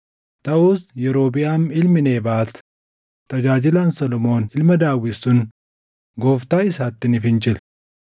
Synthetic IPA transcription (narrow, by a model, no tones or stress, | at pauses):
t̪ɐʔuːsjɛɾo̞ːbɪjaːmɪlmɪne̞ːbaːt̪ʊ̥ | t̪ɐd͡ʒaːd͡ʒɪlaːnsɔlɔmo̞ːnɪlmɐd̪aːwːɪsːʊn | ɡoːft̪aːɪsaːt̪ːɪnɪfɪnd͡ʒɪl